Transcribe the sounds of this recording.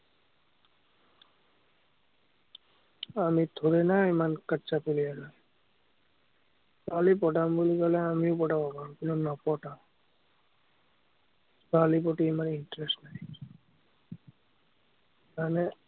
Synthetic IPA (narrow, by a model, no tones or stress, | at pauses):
amit̪ʰoɾenaemankaʈːt͡ʃapelijanɔj | balip̬ɔʈambolikalɛamiopɔʈabɔkaɾkinɔnɔpɔʈam | balip̬ɔʈiamaɾinʈɾesʈnaj | mane